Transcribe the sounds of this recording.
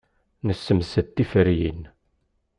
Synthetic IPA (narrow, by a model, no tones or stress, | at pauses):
nəsːəmsət̪ːifəɾjḭn